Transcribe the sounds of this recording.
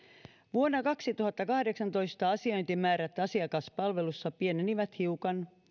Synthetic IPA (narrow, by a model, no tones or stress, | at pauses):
ʋuonːɑkɑksit̪uhɑt̪ːɑkɑhdeksɑnt̪o̞jst̪ɑɑsiojnt̪imæːɾæt̪ːɑsiɑkɑspɑlʋe̞lusːɑpieneniʋæt̪hiukɑn